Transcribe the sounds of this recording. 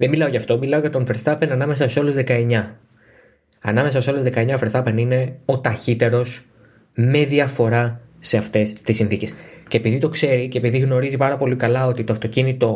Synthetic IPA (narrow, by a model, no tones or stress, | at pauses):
ðemilɐo̞ʝɐft̪o̞milɐo̞ʝɐt̪o̞nfeɾst̪ɐpenɐnɐme̞sɐso̞lezðe̞kɐe̞ɲɐ | ɐnɐme̞sɐso̞lezðe̞kɐeɲɐfeɾsɐpenine̞o̞t̪ɐçit̪e̞ɾo̞s | me̞ðiɐfo̞ɾɐseɐft̪e̞st̪isinθice̞sce̞ːpiðit̪o̞kse̞ɾicepiðiɣno̞ɾizipɐɾɐpo̞likɐlɐo̞t̪it̪o̞ɐft̪o̞cinit̪o̞